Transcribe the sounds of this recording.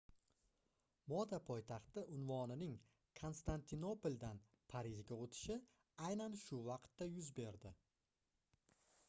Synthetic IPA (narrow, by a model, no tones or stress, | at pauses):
mɒd̪apʰɒjt̪ʰaχt̪ɪʔʊnvɒnɪnɪŋ | kʰo̞nst̪ant̪ʰɪno̞polʲd̪an | pʰaɾɪʒɡʲaot̪ʰɪ̥ʃɪ | ajnanʃʊvɑqt̪ːajʊzbe̞ɾd̪ɪ